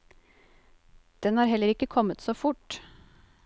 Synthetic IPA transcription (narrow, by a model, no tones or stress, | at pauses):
d̪̥ɛnhɑːɾɦɛlːəɾɪkːəkʰɔmːət̪soːfʊʈ